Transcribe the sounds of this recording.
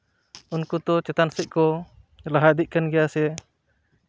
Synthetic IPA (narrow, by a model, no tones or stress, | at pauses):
unkut̪ɔt͡ʃɛt̪ansɛʔ̚kɔ | laɦad̪iʔ̚kanɡɛjasɛ